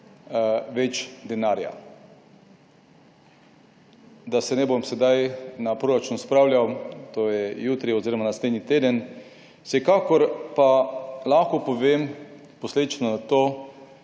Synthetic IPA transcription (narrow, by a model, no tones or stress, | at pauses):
ʋɛt͡ʃd̪ɛnaːɾja̰ | d̪asɛnɛbomsɛd̪ajnapɾoɾat͡ʃuːnspɾawlʲjʲawt̪oːjɛjuːt̪ɾiɔziːɾomanaslʲed̪nit̪eːd̪ən | sɛkakɔɾpalaxkɔpoʋeːm | posleːd̪it͡ʃnozat̪oː